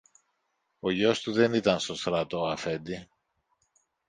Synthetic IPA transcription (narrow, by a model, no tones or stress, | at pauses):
o̞ʝo̞st̪uðe̞nit̪ɐnst̪ost̪ɾɐt̪oɐfe̞nd̪i